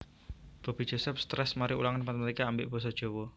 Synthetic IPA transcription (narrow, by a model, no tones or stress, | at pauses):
b̥a̤b̥i̤dd͡ʒ̥ɔ̤sɛp̚st̪ɾɛsmaɾiulaŋanpanmɾikaːmbɪʔb̥ɔ̤s̬ɔd̥ʒ̥o̤wɔ